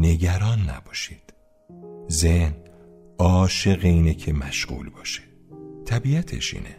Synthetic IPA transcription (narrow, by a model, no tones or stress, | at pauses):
ne̞ɟæɾɒːnːæ̰bɒːʃid̪̥ | zehn | ɒːʃe̞ɣeiːnecʰe̞mæʃɢṵːlbɒːʃe̥ | t̪ʰæbiːæt̪ʰḛʃḭːnʔḛ